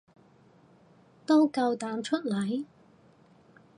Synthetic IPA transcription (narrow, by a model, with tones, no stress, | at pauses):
t̪o˥wkɐ˧wt̪aː˨˧mt͡ʃʰɵ˥t̚lɐ˨˥j